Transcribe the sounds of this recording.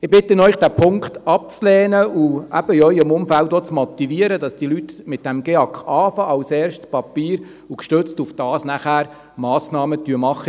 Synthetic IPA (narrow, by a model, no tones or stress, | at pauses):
ɪbɪtːənœʏχd̥æːpʰʊŋkχtɑp̚t͡slɛːnəuæ̰b̥əɪœʏəmʊmfæltot͡smɔt̪iviəɾədɑsd̥ilytmɪt̚d̥æmɡ̥eɑkχɑːfɑʔɑlsɛːɾʃtspɑpiːɾ | ukʃtøt͡stufd̥ɑːsnæχæːɾ | mɑːsnɑːmətyəmɑχːə